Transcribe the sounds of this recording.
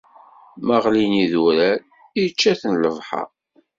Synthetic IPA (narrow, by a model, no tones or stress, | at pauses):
məʁliniðuɾæl | it͡ʃːæθənləvħɑ̰